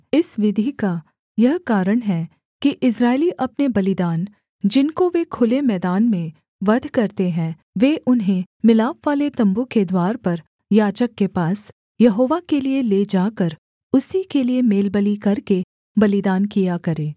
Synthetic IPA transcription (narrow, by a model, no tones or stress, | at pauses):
ɪsʋɪd̪ʱika | jɐɦkaːɾəɽ̃ɦɛ | kiʔɪsɾaːɪliʔɐpnebɐlɪd̪aːn | d͡ʒɪnkoʋekʰʊlemɛːd̪aːnmẽ | ʋɐd̪ʱkɐɾt̪eɦɛ̃ | ʋeːʔʊnɦẽmɪlaːpʋaːlet̪ɐ̃mbuked̪waːɾpɐɾ | jaːd͡ʒəkːepaːs | jɐɦoːʋakelieleːd͡ʒaːkəɾ | ʊsikeliemeːlbəlikɐɾke | bɐlɪd̪aːnkijakɐɾẽː